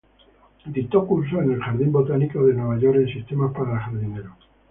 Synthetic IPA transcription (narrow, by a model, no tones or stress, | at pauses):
d̪it̪okuɾs̬oene̞lxaɾðimbo̞t̪anikoðe̞nwe̞β̞aʝo̞ɾensist̪e̞maspaɾalxaɾðineɾo